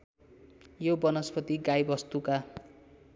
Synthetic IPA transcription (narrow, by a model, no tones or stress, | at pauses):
jobʌnʌspʌt̪iɡajbʌst̪uka